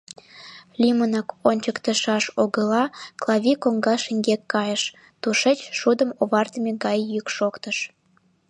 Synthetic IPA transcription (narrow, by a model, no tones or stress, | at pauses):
lʲimənɑkonʲt͡ɕəkt̪əʃɑʃoɣəlɑklˠɑβʲikoŋɡɑʃəŋɡekːɑjəʃ | t̪uʃet͡ɕʃud̪əmoβɑrt̪əmʲeɡɑjːykʃokt̪əʃ